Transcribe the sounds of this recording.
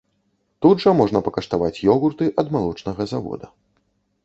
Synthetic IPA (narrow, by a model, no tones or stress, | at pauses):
t̪ud̪ʐɐmɔʐnɐpɐkɐʂt̪avat͡sʲjɔɣurt̪ɨʔɐd̪malˠɔt͡ʂnɐɣɐzavɔ̰d̪ɐ